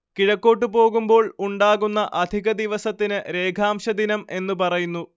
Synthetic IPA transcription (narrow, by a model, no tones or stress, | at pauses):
kiɻɐkːo̞ːʈːɨpo̞ːɣumbo̞ːɭuɳɖaːɣunːɐʔɐd̪ʱiɣɐd̪iʋɐsɐt̪ːinɨɾe̞ːɡʰʱaːmɕɐd̪inɐme̞nːupɐrɐjunːu